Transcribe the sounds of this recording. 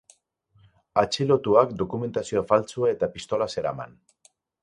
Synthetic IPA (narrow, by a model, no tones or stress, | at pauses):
at͡ʃelo̞t̪uakd̪o̞kume̞nt̪asioafalt͡suae̞t̪apist̪o̞lase̞ɾa̰ma̰n